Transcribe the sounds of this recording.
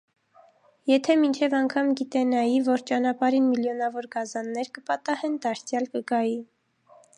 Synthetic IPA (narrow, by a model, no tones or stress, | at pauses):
jɛt̪ʰɛmint͡ʃʰɛvɑŋkʰɑmɡit̪ɛnɑjivɔɾt͡ʃɑnɑpɑɾinmiljɔnɑvɔɾɡɑzɑnːɛɾkəpɑt̪ɑhɛnd̪ɑɾt͡sʰjɑlkəɡɑji